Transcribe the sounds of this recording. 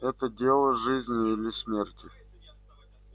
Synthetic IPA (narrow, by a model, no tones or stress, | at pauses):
ɛt̪ədʲe̞lˠəʐɨzʲnʲɪilʲɪsmʲerʲtʲɪ